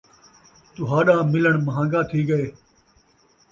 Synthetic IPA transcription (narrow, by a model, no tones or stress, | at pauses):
t̪ʊɦaːɗãːmɪləɳməɦãːɡaːt̪ʰiːɡəeː